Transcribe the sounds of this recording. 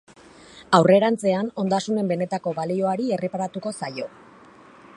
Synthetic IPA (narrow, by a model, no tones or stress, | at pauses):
awre̞ɾant͡se̞ano̞nd̪asune̞mbe̞ne̞t̪ako̞βalio̞aɾie̞re̞paɾat̪uko̞sajo̞